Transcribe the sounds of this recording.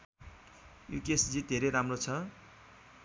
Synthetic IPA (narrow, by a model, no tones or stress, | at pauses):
jṵkesd͡zid̪ʱeɾejɾamrot͡sʰʌ